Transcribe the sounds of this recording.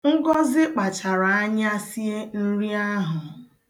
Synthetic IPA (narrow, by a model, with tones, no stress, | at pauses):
ŋ̩˦ɡɔ˦zɪ˦k͡pa˨t͡ʃa˨ɾa˨a˦ɲ˦a˦si˦e˦n̩˦ɾi˦a˦ɦʊ˨